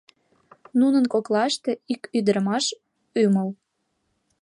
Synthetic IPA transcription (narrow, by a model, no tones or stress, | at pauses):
nunənkoklɑʃt̪eikyd̪əɾəmɑʃ | yməl